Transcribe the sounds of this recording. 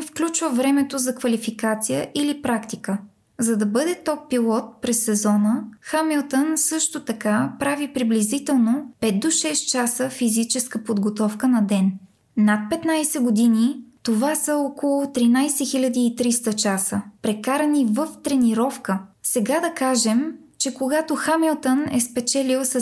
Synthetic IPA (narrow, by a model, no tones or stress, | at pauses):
fklʲut͡ʃvəvɾɛmɛt̪ozɐkvɐlifikat̪sijəʔilipɾakt̪ikə | zɐd̪ɐbɤd̪ɛt̪ɔp̚pilˠɔt̪̚pɾɛsːɛzɔnəxamilˠt̪ənsɤʃt̪ot̪ɐkapɾavipɾiblizit̪ɛlˠnopɛt̪̚d̪oʃɛst̪t͡ʃasəfizit͡ʃɛskəpod̪ɡot̪ɔfkənɐd̪ɛn | nat̪̚pɛt̪najsɛɡod̪init̪ovasəɔkolˠʊt̪ɾinajsɛxilʲɐd̪iːt̪ɾist̪ət͡ʃasəpɾɛkaɾɐnivəft̪ɾɛniɾɔfkəsɛɡad̪ɐkaʒɛm | t͡ʃɛkoɡat̪oxamɛlˠt̪ənɛ̰spɛt͡ʃɛlilˠsə